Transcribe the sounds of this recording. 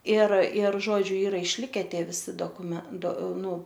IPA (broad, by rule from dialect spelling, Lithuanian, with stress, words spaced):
ɪr ɪr ˈʒoːd͡ʒʲʊ ˈiːrɐ ɪʃʲˈlʲɪkʲɛ ˈtʲiɛ ʋʲɪˈsʲɪ doːkʊˈmʲɛn doː ˈnʊ